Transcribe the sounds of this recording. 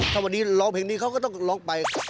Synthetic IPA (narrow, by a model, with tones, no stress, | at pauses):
t̪ʰa˥˩wa˧˩nːiː˦˥lɔː˧˥˩ŋpʰeː˧˩ŋniː˦˥kʰa˦˥wkɔː˥˩t̪ɔ˥˩ŋlɔː˦˥ŋpa˧j